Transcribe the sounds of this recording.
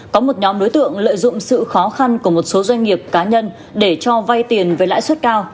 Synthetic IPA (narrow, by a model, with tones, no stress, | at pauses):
kɔ˨˦mo˨˩t̚ɲɔ˨˦mɗo˨˦jt̪ɨ̰˧˨əŋlə̰ː˧˨jzʊ̰˧˨ŋ͡msɨ̰˧˨xɔ˨˦xa˧nku˧˩əmo˨˩t̚so˨˦zwa˧jŋ̟ŋi˨˩əp̚kaː˨˦ɲə˧n | ɗe˧˩t͡ɕɔ˧va˧jt̪i˨˩ənve˨˩la̰ː˧˨jswt̚kaː˧w